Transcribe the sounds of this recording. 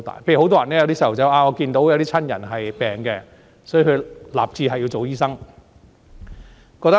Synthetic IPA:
t̪a̰ː˨jpʰe˧jo˨˥wt̪ɔː˥jɐ˨˩nɛ˥jɐ˧wt̪iː˥swt͡sɐ˨˥wʔaː˧ŋɔ˨˧kiː˧nt̪o˨˥wjwt̪iː˥t͡sʰɐ˥njɐ̰˨˩nɦɐ˨jpɛː˨˩ŋkɛ˧ | sɔ˨˥˨kʰɵ˨˧la̰ː˨˩p̚t͡siː˧ɦɐ˨jːi˧wt͡so˨˩wjiː˥sɐ˥ŋ | kɔː˧k̚t̪ɐ˥

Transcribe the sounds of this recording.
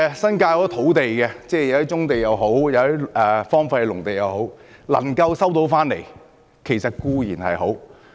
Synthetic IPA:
sɐ˥nkaː˧kɔː˨˥t̪ʰo˨˥wt̪e˨jkɛ˧t͡sɛː˥˩jwi˥t͡ʃʊ˥ŋt̪e˨jɐ˨˧wɦo˨˥wjɐ˨˧wi˥ɛː˧fɔː˥ŋfa˧hɛ˨˧lʊ˨˩ŋt̪e˨jɐ˨wɦo˨˥w | lɐ̰˨˩ŋkɐ˧wsɐ˥wt̪o˨˥wfaː˥nle˨˩j | kʰe˨˩jsɐ˨t̚kuː˧jiː˨˩nhɐ̰˨jɦo˨˥w

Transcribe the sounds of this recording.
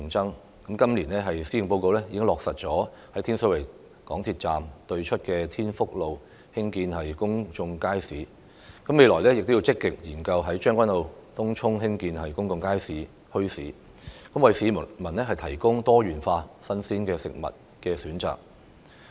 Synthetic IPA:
ŋt͡sɐ˥ŋ | kɐ˨˥mkɐ˥mliː˨˩nɛː˥ɦɐ˨jsiː˨˥ɪ˨˩ŋpo˧wko˨˧wlɛ˥jiː˨˧kɪ˥ŋlɔː˨k̚sɐ˨t̚t͡sɔː˨˥ | hɐ˨˥jt̪ʰi˥nsɵ˨˥wɐ˨˩j | kɔː˨˥ŋt̪ʰi˧t̚t͡saː˨mt̪ɵ˧ɥt͡ʃʰɵ˥t̚kɛː˧t̪ʰiː˥nfʊ˥k̚lo˨w | hɪ˥ŋkiː˧nhɐ˨jkʊ˥ŋt͡sʊ˧ŋkaː˥jsiː˨˥ | kɐ˨˥me˨˧jlɔː˨˩jlɛː˥jɪ˨k̚t̪o˥ji˧wt͡sɪ˥kːɪ˨k̚jiː˨˩nkɐ˧wɦɐ˨˥jt͡ʃœː˥ŋkʷɐ˥nlo˨˧wt̪ʊ˥ŋt͡ʃʰʊ˥ŋɦɪ˥ŋkiː˧nhɐ˨jkʊ˥ŋt͡sʊ˧ŋkaː˥jsiː˨˥ | hɵ˥ɥsiː˨˥ | kɐ˨˥mwɐ˨jsiː˨˧mɐ˨˩mɐ˨˩nlɛː˥ɦɐ˨jt̪ʰɐ˨˩jkʊ˥ŋt̪ɔː˥jyː˨˩nfaː˧sɐ˥nsiː˥nkɛː˧sɪ̰˨k̚mɐ̰˨t̚ | kɛː˧syː˨˥nt͡sa̰ː˨k̚

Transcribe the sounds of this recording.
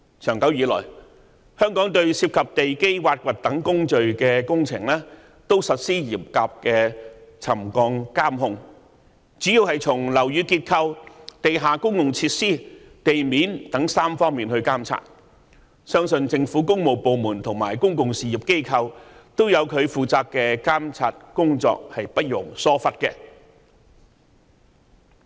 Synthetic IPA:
t͡ʃʰœː˨˩ŋkɐ˨˥wjiː˨˧lɔ̰ː˨˩j | hœː˥ŋkɔː˨˥ŋt̪ɵ˧ɥsiː˧p̚kʰɐ˨p̚t̪e˨jke˥jwaː˧t̚kʷɐ˨t̚t̪ɐ˨˥ŋkʊ˥ŋt͡ʃɵ˨ɥkɛː˧kʊ˥ŋt͡sʰɪ˨˩ŋlɛː˥ | t̪o˥wsɐ˨t̚siː˥jiː˨˩p̚kaː˨p̚kɛː˧t͡sʰɐ˨˩mkɔː˧ŋkaː˥mhʊ˧ŋ | t͡syː˨˥jiː˨˧whɐ˨jt͡sʰʊ˨˩ŋlɐ˨˩wjyː˨˧kiː˧t̚kʰɐ˧wt̪e˨jɦaː˨kʊ˥ŋkʊ˨ŋt͡sʰiː˧˥t̚siː˥ | t̪e˨jmiː˨˥nt̪ɐ˨˥ŋsaː˥mfɔː˥ŋmiː˨nhɵ˧ɥkaː˥mt͡sʰa̰ː˧t̚ | sœː˥ŋsɵ˧nt͡sɪ˧ŋfuː˨˥kʊ˥ŋmo˨wpo˨wmuː˨˩nt̪ʰʊ˨˩ŋmaː˨˩jkʊ˥ŋkʊ˨ŋsiː˨˩ji˨p̚ke˥jkʰɐ˧wt̪o˥wjɐ˨˧wkʰɵ˨˧ɥfuː˨˩t͡saː˧p̚kɛː˧kaː˥mt͡sʰaː˧t̚kʊ˥ŋt͡sɔ̰ː˧k̚hɐ˨jpɐ˥t̚jʊ˨˩ŋsɔː˥fɐ˥t̚kɛ˧

